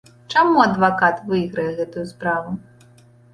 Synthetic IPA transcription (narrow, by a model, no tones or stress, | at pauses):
t͡ʂamuɐd̪vakat̪vɨɣɾɐjɛɣɛt̪ujuspɾavu